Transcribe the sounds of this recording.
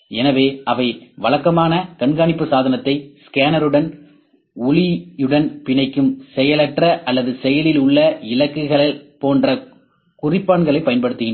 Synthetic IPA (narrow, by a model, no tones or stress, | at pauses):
ɛnɐʋeːʔɐʋɐɪʋɐɭɐkːɐmaːnɐkɐɳɡaːɳɪpːɯsaːðɐnɐt̪ːɐɪskaːnɐɾɯɽɐn | ʊlɪɯɽɐnpɪnɐɪkːɯmsɛjɐlɐʈrɐʔɐlːɐðɯsɛjɐlɪlʊɭːɐɪlɐkːɯɣɐɭɪlpoːndrɐ | kʊrɪpːaːɳɡɐɭɐɪpːɐjɐnpɐɽɯt̪ːɯɣɪn